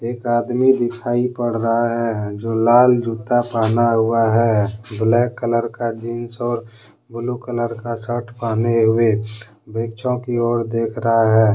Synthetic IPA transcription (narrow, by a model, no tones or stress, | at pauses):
eːkaːd̪mid̪ɪkʰaːipəɽ̤ɾəɦaɦɛːd͡ʒoːlaːld͡ʒut̪apaːnaɦʊaɦɛːblɛːkːələɾkad͡ʒiːnsɔːɾ | bʊlukələɾkasəʈʰpaːneɦʊe | bekt͡ʃʰõkiɔːɾd̪eːkʰɾəɦaɦɛː